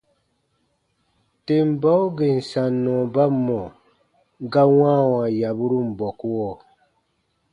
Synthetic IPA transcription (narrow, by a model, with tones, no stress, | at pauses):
te˨mba˦wɡe˨n̩˨sa˨nːɔ̃˨ba˦mːɔ˨ | ɡa˦wãː˦wã˨ja˨bu˦ɾu˦m̩˨bɔ˨kwɔ˦˨